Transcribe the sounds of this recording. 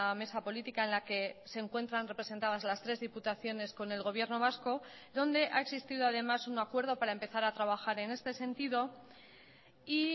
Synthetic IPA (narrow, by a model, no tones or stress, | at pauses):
ame̞sapo̞lit̪ikaenlake̞se̞ːŋkwe̞nt̪ɾanre̞pɾese̞nt̪aðazlast̪ɾe̞zðiput̪aθjo̞ne̞sko̞ne̞lɣo̞β̞je̞ɾno̞β̞asko̞ | ðo̞nd̪e̞ʔa̰e̞ksist̪iðo̞aðe̞masunakwe̞ɾð̞o̞paɾae̞mpe̞θaɾat̪ɾaβaxaɾe̞ne̞st̪e̞se̞nt̪iðo̞ | i